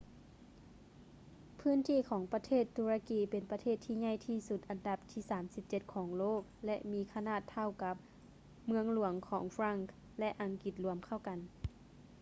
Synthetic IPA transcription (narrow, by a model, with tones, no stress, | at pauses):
pʰɯː˧˥˨nt̪ʰiː˧˥˨kʰɔː˩˦ŋpa˧t̪ʰeː˥˩t̪ʰːuː˧ɾa˧kiː˨˩pe˨˩npa˧t̪ʰeː˥˩t̪ʰːiː˧ɲa˥˩˨jt̪ʰiː˧˩su˧˥t̪̚ʔa˨nda˧p̚t̪ʰiː˧˩saː˩˦msi˧˦p̚t͡ɕe˧t̪̚kʰɔː˩˦ŋloː˥˨˩k̚lɛ˧ʔmiː˧˥kʰa˧naː˧˥˨t̪ʰːa˧˩wka˧˦˥p̚ | mɯ˧əŋlu˨˩˦əŋkʰɔː˩˦ŋfɾa˧˥˩ŋk | lɛ˧ʔa˨˩ŋki˧˦t̪̚lu˧˩˦əmkʰa˧˥˩wka˨n